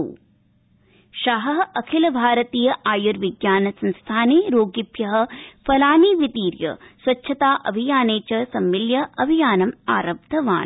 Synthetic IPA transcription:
ʃaɦɐɦɐkʰilɐbʱaːɾɐt̪iːjɐʔaːjuɾʋiɡjaːnɐsɐnst̪ʰaːneːɾoːɡipjɐɦɐ̆fɐlaːniːʋit̪iːɾjɐ̰sʋɐtːʃʰɐt̪aːʔɐ̰bʱijaːneːt͡ʃɐsɐmːiljɐʔɐbʱijaːnɐma̰ːɾɐb̚d̪ʱɐʋa̰ːn

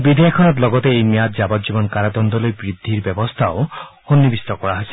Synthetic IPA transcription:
bid̪ʱijakʰɔnɔt̪lɔɡɔt̪eejmjat̪d͡ʒabɔt̪̚d͡ʒibɔnkaɾad̪ɔnd̪ɔlojbɾid̪ʱːiɾbjɔbɔst̪ʰaohonːibist̪ɔkɔɽaɦasi̥

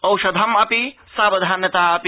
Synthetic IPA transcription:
ɐwʃɐd̪ʱɐmɐpi | saːbɐd̪ʱaːnjɐt̪aːɐpi

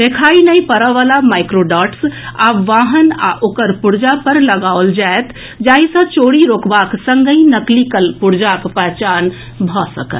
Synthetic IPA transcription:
d̪ekʰaːinəĩpəɾəʋalamaɪkɾoɖɔːʈsaʋaːɦəna̰ʔoːkəɾpʊɽd͡ʒapəɾləɡaold͡ʒaet̪ | d͡ʒaːɦisə̃t͡ʃoːɽiɾoːkbaːksəŋɡəinəklikəlpuɽd͡ʒakpəɦt͡ʃaːn | bʱɔsə̰kə̰t̪

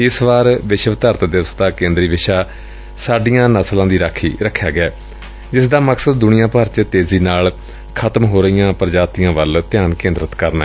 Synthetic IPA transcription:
ɪsʋaːɾʋɪʃʋt̪əɾt̪d̪əʋəst̪aːkẽːnd̪ɾiːʋɪʃaː | saːɖijãːnəslãːd̪iːɾaːkʰːiːɾəkʰːjaːɡɪɛː | d͡ʒɪsd̪aːməksəd̪̚ːʊnɪjãːpəɾt͡ʃt̪eːziːnaːl | kʰət̪mɦoːɾəijãːpɾəd͡ʒaːt̪ijãːʋəlt̪ɪjaːnkẽːnd̪ɾət̪kəɾnɛ̰

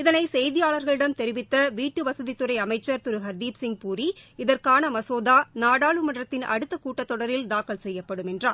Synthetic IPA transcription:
ɪðɐnɐɪsɛjðɪjaːɭɐɾɣɐɭɪɽɐmt̪ɛɾɪʋɪt̪ːɐʋiːʈːɯʋɐsɐðit̪ɯɾɐɪɐmɐɪt͡ʃːɐɾt̪ʊɾɯɦɐɾd̪iːpsɪŋɡ̚puːɾiɪðɐrkaːnɐmɐsoːðaːnaːɽaːɭɯmɐɳrɐt̪ːɪnɐ̰ɽɯt̪ːɐkuːʈːɐt̪ːɔɽɐɾɪld̪aːkɐɭsɛjːɐpːɐɽɯmɛndraːɾ

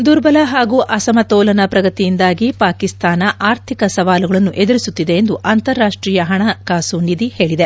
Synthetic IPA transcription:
d̪uɾbɐlɐɦaːɡuːʔɐsɐmɐt̪ɔːlɐnɐpɾɐɡɐt̪ijind̪aːɡipaːkist̪aːnɐʔaːɾt̪ʰikɐsɐʋaːluɡɐɭɐnːuʔed̪ɐɾisut̪ːid̪e̞ːnd̪uʔaːnt̪ɐɾːaːʂʈɾiːjɐɦɐɳɐkaːsunid̪ihe̞ːɭid̪e

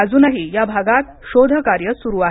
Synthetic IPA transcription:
əd͡zuːnaɦijabʱaɡat̪ | ɕod̪ʱəkaɾjəsuɾuːa

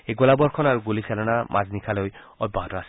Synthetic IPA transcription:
eɡɔlabɔɹkʰɔnaɹuɡulisalɔnamʔa̰znikʰaloj | ɔt̚baɦɔtɔas

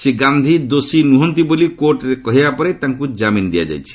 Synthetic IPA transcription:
seɡand̪ʱid̪osinuɦɔnt̪ibolikoɾʈɾekɔɦibapɔɾet̪aŋkud͡ʒamind̪ija̰d͡ʒa̰jt͡ʃʰi̥

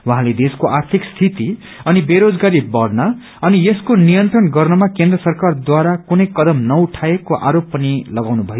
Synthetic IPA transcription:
wuɦãled̪eskoʔart̪ʰikst̪ʰit̪i | ʌnibeɾod͡zɡaɾibʌɽna | ʌnijeskonijʌnt̪rʌnɡʌrnʌmakend̪rʌsʌrkard̪waɾakunʌjkʌd̪ʌmnʌuʈʰaekoʔa̰ɾopːʌnilʌɡawnubʱʌjo

